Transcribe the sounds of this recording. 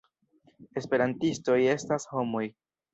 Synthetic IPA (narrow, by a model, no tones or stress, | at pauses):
e̞spe̞ɾantisto̞je̞stasho̞mo̞j